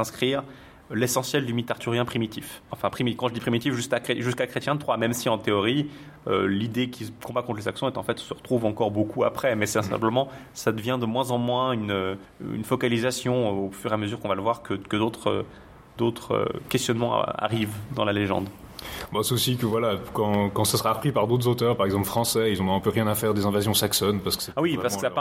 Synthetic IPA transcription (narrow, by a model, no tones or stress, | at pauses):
sɛ̃skχiʁ | lesɑ̃sjɛld̪ymit̪aʁt̪yʁjɛ̃pχimit̪ʰifɑ̃fɛ̃pχimikɑ̃ʒəd̪ipχimit̪ifʒyskakχeʒyskakχet̪jɛ̃t̪χwamɛmsiɑ̃t̪eɔʁi | ø̰lid̪ekʲʰikɔ̃bakɔ̃t̪lezaksɔ̃ɛt̪ɑ̃fɛt̪səʁət̪χuvɑ̃kɔʁbokʰua̰pχɛmɛsɛɛ̃sɛ̰̃pləmɑ̃ | sad̪əvjɛ̃d̪əmwɛ̃zɑ̃mwɛ̃ynø | y̰nfɔkalizasjɔ̃ofyʁeaməzyʁkɔ̃valəvwaʁkəkəd̪ot̪χø̰ | d̪̥ot̪χø̰kʲɛst̪jɔnmɑ̰̃a̰ʁivd̪ɑ̃laleʒɑ̰̃d̪ | bɔsɛosikəvwalakɑ̃kɑ̃səsəʁapχipaʁd̪ot̪χzot̪œʁpaʁɛɡzɑ̃pləfχɑ̃sɛilzɔ̃ɛ̃pøʁjɛ̃nafɛʁd̪ezɛ̃vazjɔ̃saksɔnpaʁsə̥kə̥sɛwipaʁsəəsa